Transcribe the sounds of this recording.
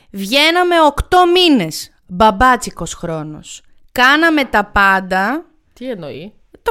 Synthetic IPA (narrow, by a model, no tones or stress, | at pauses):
vʝe̞nɐme̞o̞kt̪o̞mine̞s | bɐbɐt͡siko̞sxɾo̞no̞̰s | kɐnɐme̞t̪ɐpɐnd̪ɐ | t̪ieno̰i | t̪